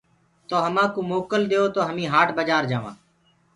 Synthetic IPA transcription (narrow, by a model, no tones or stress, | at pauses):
t̪oːɦəmãːkoːmoːkəld̪eːoːt̪oːɦəmĩːɦaːʈbəd͡ʒaːɾd͡ʒaːʋã̰ː